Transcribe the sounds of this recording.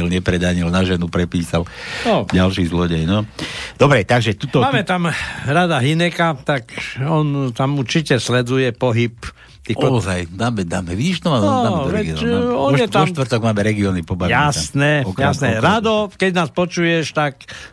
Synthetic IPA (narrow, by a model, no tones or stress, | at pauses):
ilɲɛpɾɛd̪aːɲilnaʒɛnupɾɛpiːsalnɔɟalʃiːzlɔɟɛjnɔd̪̥ɔbɾɛt̪aɡʒɛt̪ut̪ɔaːmɛt̪amɾad̪aɦinɛkat̪akɔnt̪amuɾt͡ʃicɛslɛd͡zujɛpɔɦip | t̪iːxzajd̪aːmɛd̪aːmɛʋiʃt̪ɔmaːmɔaːɛɔʋɛɡiɔɔnjɛt̪aɔʃt̪ʋrt̪ɔɡmaːmɛɾɛɡiɔnipɔbajasnɛɔkjasnɛɾad̪ɔkɛɟnaːspɔt͡ʃujɛʃt̪ak